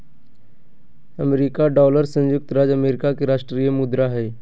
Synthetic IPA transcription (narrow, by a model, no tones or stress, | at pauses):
əmeɾiːkaɖɔːləɾsə̃jʊk̚t̪ɾaːd͡ʒəmeːɾɪkakeɾaːʃʈɾijəmʊd̪ɾaɦɛː